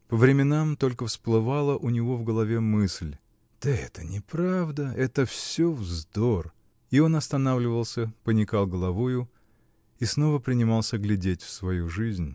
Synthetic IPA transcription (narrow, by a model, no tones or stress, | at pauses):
pəvɾʲɪmʲɪnamt̪o̞lʲkəfsplˠɨvalˠəʔʊnʲɪvo̞vɡəlˠɐvʲemɨsʲlʲ | d̪̥əɛt̪ənʲɪpɾavd̪əʔɛt̪əfssʲovzd̪or | io̞nɐst̪ɐnavlʲɪvəlˠsʲəpənʲɪkalˠɡəlˠɐvojʊ | isno̞vəpɾʲɪnʲɪmɑlˠsʲəɡlʲɪdʲetʲfsvɐjuʐɨzʲnʲ